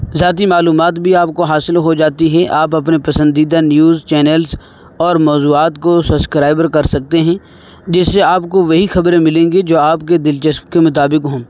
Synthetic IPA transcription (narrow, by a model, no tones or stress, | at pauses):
zjaːt̪̬imaːluːmaːt̪bʱiaːp̚koɦaːsɪlɦod͡ʒaːt̪iɦɛʔaːpɐpnepɐsə̃nd̪iːd̪anjuːzt͡ʃɛːnəlz | ɔːɾmɔːzuːaːt̪kosɐskɾaːɪbəɾkɐɾsɐk̚t̪eɦɛ̃ː | d͡ʒɪsːeaːpkoʋɐɦixɐbɾẽmɪlẽːŋɡed͡ʒoːaːp̚ked̪ɪlt͡ʃɐsmkemʊt̪aːbɪkɦõː